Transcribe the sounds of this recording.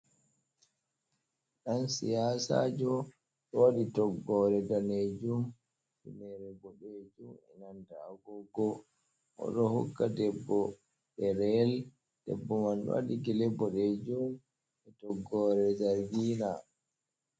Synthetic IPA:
ɗansḭjaːsa̰d͡ʒɔ | ɗɔwaɗitɔɡːɔːɾɛdaned͡ʒum | finɛɾɛbɔɗed͡ʒumɛ̰nandaɡɔɡɔ | ʔɔ̰ɗɔhṵkːadɛbːɔ | ɗɛɾɛl | d̥ɛ̰bːɔmanɗɔ̰wa̰ɗiɡilɛbːɔɗed͡ʒum | ɛtɔɡːɔɾɛd͡ʒaɾɡina

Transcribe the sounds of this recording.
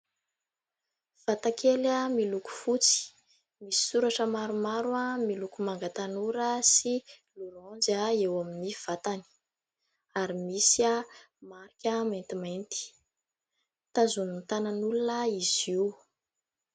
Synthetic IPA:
v̥at̪akʰelamiluku̥fut͡si̥ | misi̥suɾaʈ͡ʂəmaɾumaɾuamilukumaŋɡat̪anuɾəsiluɾɔ̃nd͡ʒaewaminiv̥at̪ani̥ | aɾimisia | maɾikʲəmant̪imant̪i̥ | t̪azunint̪ananulunəiz̥iw

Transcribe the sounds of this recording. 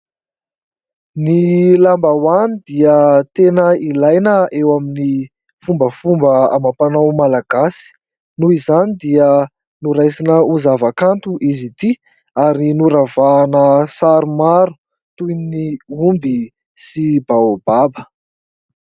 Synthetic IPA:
nilambawanid̪iət̪enəilajnəewamini | fumbəfumbəa̰mapanawmalaɡasi̥ | nuizanid̪iə | nuɾajsinəuzavakant̪uʔizit̪i | aɾinuɾavaːnəsaɾumaɾu̥ | t̪ujnniumbi | sibawb̥abə̥

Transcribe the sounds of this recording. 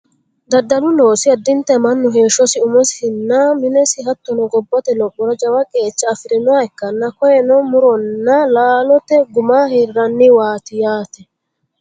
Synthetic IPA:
d̪ɐd̪ːɐlʊnoːsɪɐd̪ːɪnt̪ɛmɐnːʊɦe̞ːʃːɔsɪʊmɔsɪhɪnːɐmɪnɛsɪɦɐt̪ːɔnɔɡɔbːɔt̪ɛlɔkːɔɾɐd͡ʒɐwɐkʼe̞ːt͡ʃːɐːfɪɾɪnɔwaɪkːɐnːɐkɔjɛnɔmʊɾɔnːɐlaːlɔt̪ːɛɡʊmaːhɪɾɐnːɪwaːt̪ɪjaːt̪ɛ

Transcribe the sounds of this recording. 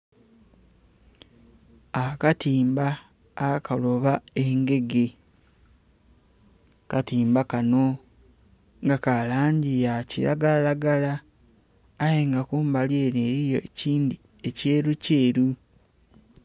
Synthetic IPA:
akatiːmbaː | kalo̞βae̞ŋɡe̞ɡe̞ | katiːmbakano̞ | ŋɡakalaːɲɟijacḭɾa̰ɡalalaɡalaː | jeŋɡakuːmbalje̞ːneɾijo̞eciːndi | e̞ce̞ːɾuce̞ːɾu

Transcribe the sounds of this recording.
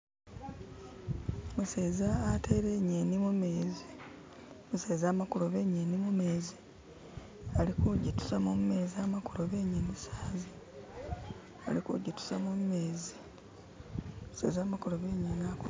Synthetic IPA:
museːzaːtʰe̞ːɾeɲeːnimumeːzi | muse̞ːzaːmakuloβe̞ːɲeːnimumeːzi | alikuɟitu̥samumme̞ːziaːmakuloβe̞ɲenisaːzi | alikṵɟitu̥samummeːzi | mu̥sḛːzaːmakuloβeːɲenaku

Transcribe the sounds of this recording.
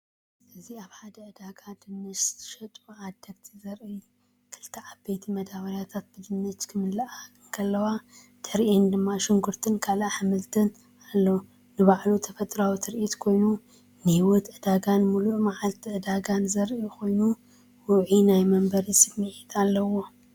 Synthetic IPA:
ʔɨziaβħad̪ɐʔɨd̪aɡad̪ɨnːɨt͡ʃʰɨ̥ʃɐt̪ʼuʕad̪ɐɡt̪ʰizɐɾʔi | kʰɨlt̪ʰɐʕabejt̪ʰimɐd̪aβɐɾjat̪ʰat̪̚bɨd̪ɨnːɨt͡ʃkʰɨmɨlːɐʔaɨŋkʰɐlːɐwa | t̪ʰɨɾʔind̪ɨmːaʃɪŋɡuɾt̪ʰɨnkʰalaħɨmɨlt̪ʰɨn | alːɐw | nɨβaʕlut̪ʰɐfɐt̪ʼɾawit̪ʰɨɾʔit̪kʰo̞jnu | nɨhiwɔt̪ʔɨd̪aɡanmuluʔmaʕalt̪ʰiʔɨd̪aɡanzɐɾʔikʰo̞jnu | wʊʕinajmɐmbɐɾisʼɨbmɨʕit̪ʰʼalːɐwo̞

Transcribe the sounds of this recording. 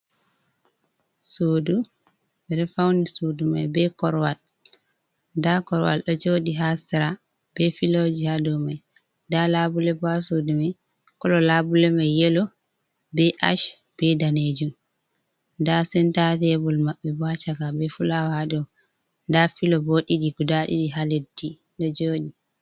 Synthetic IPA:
soːdu | bɛɾɛfawnisoduma̰jbɛkɔɾwal | dakɔɾwa̰lɗɔd͡ʒodiɦasiɾa | b̥ɛfilod͡ʒihadɔmaj | dalabulɛbasodumaj | kɔlɔlabulɛmajjɛlɔ | bɛʔa̰ʃ | b̥ɛdaned͡ʒum | dasɛntatɛbulmaɓːɛbat͡ʃakabɛfulawahadɔ | dafilɔboɗiɗiɡudaɗḭɗiɦaledi | ɗɔd͡ʒoːɗi

